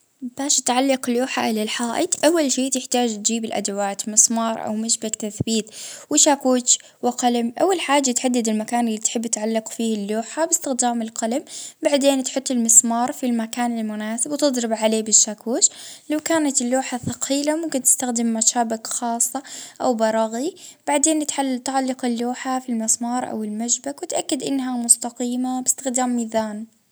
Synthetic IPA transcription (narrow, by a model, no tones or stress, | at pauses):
b̥aːʃt̪ʕalːɑqluːħa̰ʔɪlalħaːʔɪd̪ʔawːalʃeːʔt̪ɪħt̪aːd͡ʒt̪̚d͡ʒiːbɪlʔa̰d̪awaːt̪mɪsˤmɑːɾˤʔa̰wmaʃbakt̪aθbiːt̪wɪʃaːkuːt͡ʃ | wɪqalamʔa̰wːalħaːd͡ʒːat̪ħad̪ːad̪ɪlmakaːnɪlːiːt̪ħɪbːɪt̪ʕalːɑqfiːhɪlːuːħabɪst̪ɪxd̪aːmɪlqalambaʕd̪eːnt̪ħʊt̪ˤːɪlmɨsˤmɑːɾˤfilmakaːnɪlmʊnaːsɪbwt̪ɨd̪ˤɾɪbʕaleːbɪʃːaːkuːʃlawkaːnat̪ɪlːuːħaθɑqʰiːlamʊmkɪnt̪ɪst̪axd̪ɪmːaʃaːbɪkxɑːsˤːɑʔawbɑɾˤɑɣib̥aʕd̪eːnt̪ʕalːt̪ʕalːɪqɪlːuːħafilmɪsˤmɑːɾˤʔa̰wɪlmaʃbakwɪt̪ʔakːad̪ʔɪnːɦamʊst̪aqiːmabɪst̪ɪxd̪aːmːiːðaːn